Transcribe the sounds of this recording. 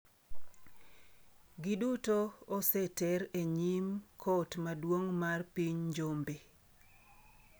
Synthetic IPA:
ɡɪdutoːsetɛɾeɲimkʰotmadwoŋmarpiɲd͡ʒombe

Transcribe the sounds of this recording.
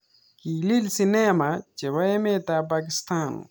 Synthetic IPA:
kililsinemat͡ʃewɐemet̪ap̬ak̬ɪst̪an

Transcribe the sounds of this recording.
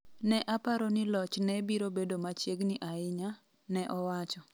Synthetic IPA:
nɛʔapaɾɔnɪlɔt͡ʃnɛbiɾobedomat͡ʃjeɡnɪʔaɪɲa | nɛʔɔwat͡ʃɔ

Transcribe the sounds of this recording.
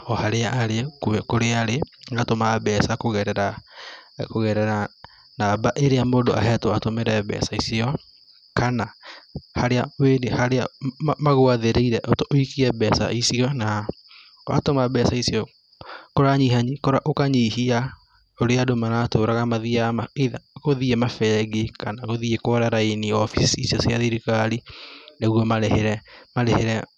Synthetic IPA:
ɔhaɾeaʔːɾekoɛkoɾeaɾeŋɡatomabɛsakoɣɛɾɛɾa | koɣɛɾɛɾa | nabaʔeɾeamoːndoʔa̰ɦɛtoatomeɾɛɛbɛ̰saisiɔ | kanahaɾeaweːdehaɾeamaɣoaðeɾeiɾɛʔotooikiɛbɛsa̰isiɔna | ka̰tomabɛsaisiɔ | koɾaɲiɦaɲikoɾaʔokaɲiɦia | oɾeadomanatoːɾaɣamaðiamaeðaɣoðiemafɛɡekanaɣoðiekwɔɾaɾaeniɔfisiisiɔsjaðiɾikaɾineɣwɔmaeheɾɛmaɾeheɾɛ

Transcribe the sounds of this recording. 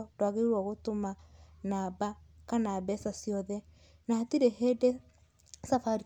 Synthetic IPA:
ɔdwaɣeɾwɔɣotomanabakanaːbɛsasijɔðɛ | natiɾeɦede | safaɾi

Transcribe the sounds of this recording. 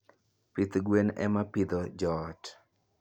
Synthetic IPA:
pit̪ɡwenɛ̰mapid̪ɔd͡ʒɔt

